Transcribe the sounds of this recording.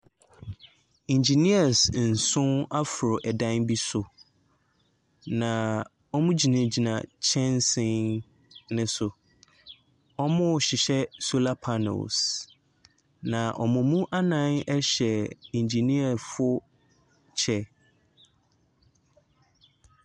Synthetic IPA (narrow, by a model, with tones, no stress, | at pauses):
ĩ˨ɲd͡ʑi˨ni˦a˨sn̩˨sʊ̃˦na˦fʊ˨ɾʊ˨ʔɛ˨dã˦nbi˦sʊ˨ | nã˨ | ɔ˦mũ˦d͡ʑi˨nã˨d͡ʑi˨nã̰˨t͡ɕʰɛ̃˦nsɪ̃˨ | nɪ̃˦sʊ˨ | ɔ˦mʊ̃˦˨ɕɪ˨ɕɛ˦so˦la˦pʰa˦no̰˨ls | nã˨ʔɔ˨mʊ̃˨mũ˦ʔa˦nã˦nɛ˦ɕɛ˨ĩ˨ɲd͡ʑi˨ni˦a˨fʊ˦ | t͡ɕʰɛ˦